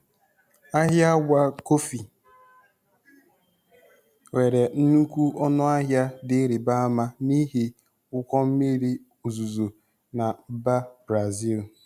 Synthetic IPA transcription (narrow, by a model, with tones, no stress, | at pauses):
a˦ɦja˦ɡʷa˦ko˦fi˨ | we˨ɾe˨n̩˦nu˦kʷu˦ʔɔ˦nʊ˦a˦ɦja˦dɪ˦ɾi˨ba˦a˦ma˦ni˦ɦi˦ | ʊ˦kʷɔ˦m̩˦mi˦ɾi˦ | u˨zu˨zo˨ | na˨m̩˦ba˦bɾa˨zi˦˨l